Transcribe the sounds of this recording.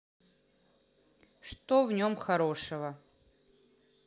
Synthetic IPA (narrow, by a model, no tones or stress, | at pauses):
ʂt̪ovnʲomxɐɾo̞ʂɨvə